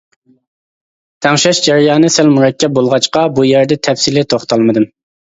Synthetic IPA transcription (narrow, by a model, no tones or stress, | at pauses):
t̪ʰɛŋʃɛʃd͡ʒɛɾijɑːnɨsɛlmuɾɛkʲʰːɛp̚bolˠʁɑt͡ʃqɑbujæɾd̪ɛt̪ʰɛfsilɪt̪ʰoχt̪ʰɑlˠmɨd̪ɨm